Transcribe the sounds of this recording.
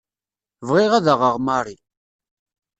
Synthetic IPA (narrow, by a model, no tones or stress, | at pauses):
vʁɪʁaðəʁəʁmaɾˤi